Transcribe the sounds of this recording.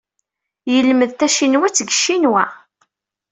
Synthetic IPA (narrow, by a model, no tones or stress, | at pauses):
jəlməðt̪æʃinwæt͡sːəɡəʃːinwæ